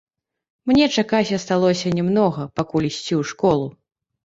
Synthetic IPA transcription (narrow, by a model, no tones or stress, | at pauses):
mnʲɛt͡ʂakasʲɐst̪alˠɔsʲɐnʲɛmnɔɣɐpakulʲisʲt͡sʲiwʂkɔlˠu